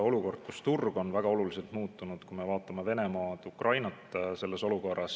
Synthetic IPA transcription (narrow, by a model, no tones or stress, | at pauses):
o̞luko̞rd̪̥kust̪urɡ̥o̞nvæɡ̥ɑo̞lulise̞lt̪muːt̪ːˑunud̪̥kume̞vɑːt̪ːˑɑmeve̞ne̞mɑːd̪ukrʔɑjnɑt̪ːˑse̞lːe̞so̞luko̞rɑs